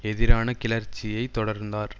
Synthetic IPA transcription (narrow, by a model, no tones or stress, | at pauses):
ɛðɪɾaːnɐkɪlɐɾt͡ʃːɪjɐɪt̪ːɔɽɐɾnd̪aːɾ